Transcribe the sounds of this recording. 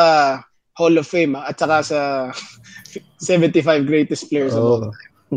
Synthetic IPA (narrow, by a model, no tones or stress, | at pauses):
ɐ | holofejmaʔɐt̪̚t͡ʃɐkasɐ | sɛvɛ̃nt̪ɪfajvɡɹejt̪ɛst̪plɛjɛsɐo